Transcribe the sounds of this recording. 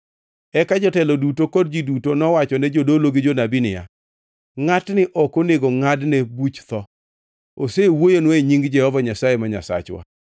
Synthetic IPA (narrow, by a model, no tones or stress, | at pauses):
ɛkad͡ʒɔtɛlɔdutokɔdd͡ʒidutonɔwat͡ʃɔnɛd͡ʒodoloɡɪd͡ʒonabinɪja̰ | ŋatnɪʔɔkoneɡɔŋadnebut͡ʃt̪ɔ | osewojonwoeɲiŋɡd͡ʒɛhɔvaɲasajemaɲa̰sa̰t͡ʃwa̰